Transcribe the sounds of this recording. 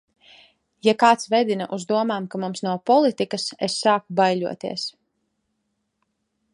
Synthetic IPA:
jakaːt̪svɛd̪inaʔuzd̪uɔmaːmkamumsnawpɔlˠit̪ikasḛsːaːkubajluɔt̪ḭɛs

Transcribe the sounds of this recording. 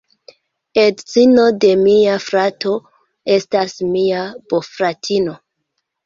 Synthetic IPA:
edzino̞de̞miafɾato̞ | e̞stasmiab̥ofɾatʰino̞

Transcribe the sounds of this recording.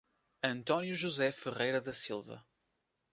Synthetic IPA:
ɐ̃nt̪ɔnjuʒuzɛfɨʁejɾɐðɐsilˠvɐ̰

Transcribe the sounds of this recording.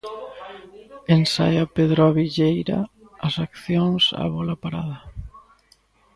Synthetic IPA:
ensajapeðɾoaβiʎejɾɐ̰ | ɐsakθjoŋsa̰βɔlapaɾaðɐ

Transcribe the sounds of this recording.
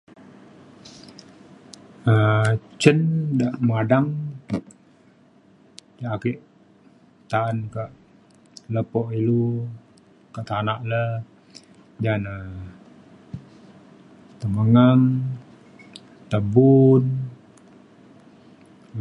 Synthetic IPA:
ət͡ʃəndaʔmadaŋ | d͡ʒaʔakiʔ | t̪aankaʔ | ləpɔʔilu | kaʔt̪anaʔlə | d͡ʒanə | t̪əməŋəŋ | t̪əbun

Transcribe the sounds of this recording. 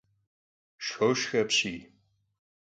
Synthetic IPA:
ʃxowʃxɐpɕiː

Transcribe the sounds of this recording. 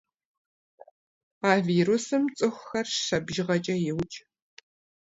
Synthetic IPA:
aːviːɾusɨmt͡sʼɨxʷxɐrʃɐbʒɪʁɐt͡ʃʼɐjɪwt͡ʃʼ

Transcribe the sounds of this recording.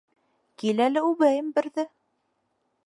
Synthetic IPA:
kilælɘʉβæjɘmbɘ̆ɾðɘ

